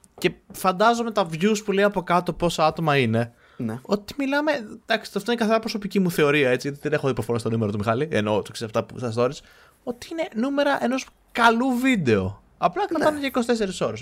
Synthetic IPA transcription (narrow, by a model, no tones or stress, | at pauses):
ce̞fɐnd̪ɐzo̞me̞t̪ɐvʝuspuleiɐpo̞kɐt̪opo̞soɐt̪omɐine̞ | no̞t̪i̥milɐme̞d̪̥ɐksi̥ɐft̪oinekɐθeɾɐpɾoso̞picimuθe̞o̞ɾiɐe̞t͡siʝɐt̪iðenexoipofoɾost̪numeɾɐt̪umixɐlieno̞t̪oksesɐft̪ɐpṵsɐsðo̞ɾis | o̞t̪iine̞nume̞ɾɐʔeno̞s | kɐluvid̪e̞o | ɐplɐkɾɐɐneʝɐikosit̪e̞s̬e̞ɾiso̞ɾes